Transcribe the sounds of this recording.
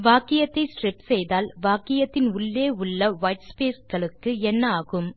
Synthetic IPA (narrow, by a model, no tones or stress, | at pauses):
ʋaːkɪjɐt̪ːɐɪsʈrɪpsɛjðaːlʋaːkɪjɐt̪ːɪnʊɭːeːʊɭːɐʋɐjʈspeːsɡɐɭɯkːɯɛnːɐaːɣɯm